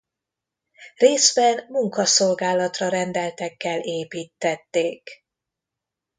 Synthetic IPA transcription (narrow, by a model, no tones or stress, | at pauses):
reːzbɛnmuŋkɒso̞lɡaːlɒt̪rɒɾɛnd̪ɛlt̪ɛkːɛleːpiːt̪ːɛt̪ːeːk